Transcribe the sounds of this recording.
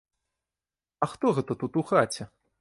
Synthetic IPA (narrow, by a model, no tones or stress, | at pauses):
ɐxt̪ɔɣɛt̪ɐt̪ut̪uxat͡sʲɛ